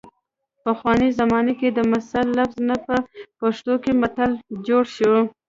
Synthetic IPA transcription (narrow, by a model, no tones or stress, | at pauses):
paxwɑnizamɑneked̪əmasalːafznapəpaʂt̪okemat̪ald͡ʒoɽʃəw